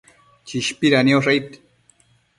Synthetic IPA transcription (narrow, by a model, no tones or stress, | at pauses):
t͡ʃiʃpiɾanioʂajt̪